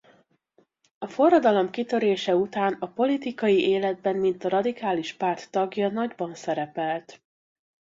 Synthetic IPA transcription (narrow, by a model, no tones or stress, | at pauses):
ɒfo̞rːɒd̪ɒlo̞mkit̪ø̞ɾeːʃɛut̪aːnɒpo̞lit̪ikɒjiʔeːlɛd̪̚bɛnmint̪ɒɾɒd̪ikaːliʃpaːrt̪ːɒɡjɒnɒɟbɒnsɛɾɛpɛlt̪